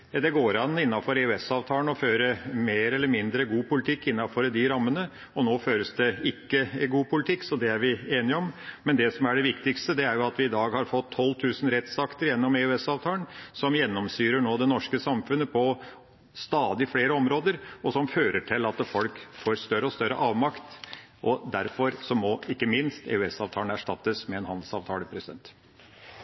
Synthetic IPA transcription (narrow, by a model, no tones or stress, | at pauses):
d̪ɛɡoːɾɑnːɪnːɑfɔɾɛʉɛsɑːʋt̪ʰɑːənɔføːɾəmeːɾɛlːəɾmɪnd̪ɾəɡuːpʊlɪt̪ʰɪkːɪnːɑfɔɾəd̪ɪɾɑmːənə | ɔnoːføːɾəsd̪ɛɪkːəɡuːpʊlɪt̪ʰɪkːsɔd̪ɛæɾʋɪeːnɪɔmmɛnd̪ɛsɔmæɖɛʋɪkt̪ɪkst̪əd̪ɛæɾjʊɑt̪ʋɪɪd̪ɑːɡhɑɾfɔt̪ʰːɔlːt̪ʰʉːsn̩ɾɛt̪sɑkt̪əɾjɛnːɔmeʉɛsɑːʋt̪ʰɑːlənsɔmjɛnːɔmsyːɾəɳoːd̪ɛnɔʂkəsɑmfʉnːəpʰɔ | st̪ɑːd̪ɪfleːɾəɔmɾoːd̪əɾɔsɔmføːɾəʈʰɪlɑt̪fɔlkfoːɾst̪œɾəɔst̪œɾəʔɑːʋmɑkt̪ | ʔɔd̪æɾfɔɾsɔmɔɪkːəmɪnst̪ḛʉɛsɑːʋt̪ʰɑːənəæʂʈɑt̪ːəsmɛɛnhɑnd̪l̩sɑ̰ːʋt̪ʰɑːləpʰɾɛsɪd̪ɛ̰nt̪